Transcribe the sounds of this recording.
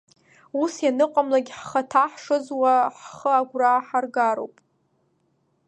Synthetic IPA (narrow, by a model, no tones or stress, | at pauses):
usjanɨqʷʼamlaɡʲħχatʰaħʂɨzwaħχəaɡʷraħarɡaɾo̰wpʼ